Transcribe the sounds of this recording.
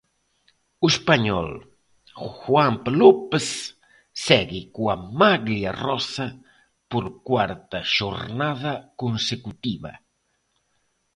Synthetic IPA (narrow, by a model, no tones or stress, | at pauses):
ʊespaɲɔ̰l | xwampelopesː | ɛɣɪkuamaɣliarɔsɐ | poɾkwaɾt̪ɐʃoɾnaðɐkonsekut̪iβɐ̰